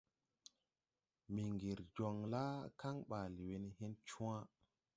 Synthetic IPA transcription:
mi˨ŋɡi˨ɾd͡ʒo˨ŋla˦ka˦ŋɓaː˨li˨we˨ni˦ɦe˦nt͡ʃũ˦ã˦

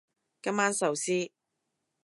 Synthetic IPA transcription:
kɐ˥mːaː˥nsɐ˨wsiː˥

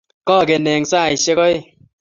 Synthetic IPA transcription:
kɔ˦˨ke˨nɛ˨ŋsaː˦˨i˨ʃe˦kɔ˦e˦˨

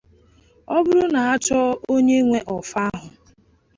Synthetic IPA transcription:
ɔ˦bʊ˦ɾʊ˦na˨a˦t͡ʃɔ˦o˦ɲe˦ŋʷe˦ʔɔ˨fa˦a˦ɦʊ˨

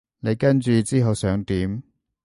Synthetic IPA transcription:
ne˨˧jkɐ˥nt͡ʃyː˨t͡siː˥ɦɐ˨wsœː˨˥ŋt̪iː˨˥m

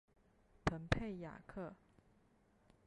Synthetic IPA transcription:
t̪ʰə˧˥npʰe˥˩ɪja̰˨˩kʰɤ˥˩

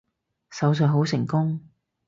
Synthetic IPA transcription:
sɐ˨˥ws̬œː˨˩ɦo˨˥wsɪ˨˩ŋkʊ˥ŋ

